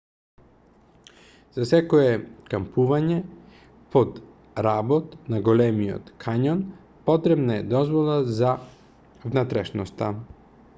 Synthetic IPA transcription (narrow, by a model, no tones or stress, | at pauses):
z̥asɛkoɛkampuvaɲɛ | pod̪ | ɾabot̪naɡolɛmiɔ̰t̪kʰaɲɔn | pɔt̪ɾɛbnaɛd̪ɔzvolˠaza | vnat̪ɾɛʃnɔst̪a